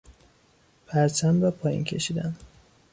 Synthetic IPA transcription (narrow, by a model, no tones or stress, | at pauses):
pʰæɾt͡ʃʰæmɾɒpʰɒːjḭncʰe̞ʃid̪æn